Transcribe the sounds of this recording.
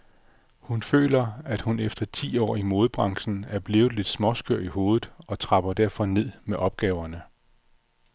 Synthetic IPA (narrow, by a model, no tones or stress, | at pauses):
hunfø̰ːlɐæd̥hunefd̥ɐt͡sʰḭːɒ̰ːimo̝ːð̞ˠb̥ʁɑ̈ŋsn̩æɐb̥le̝ːʊð̩ˠle̝d̥smɒ̽sɡ̥øɐ̰iho̝ːðð̩ˠɒ̽t͡sʰʁɑ̈b̥ɐd̥æɐ̰fɒ̽ne̝ð̞̰ˠmeʔɒ̽b̥̚ɡ̥ɛːʊɐnə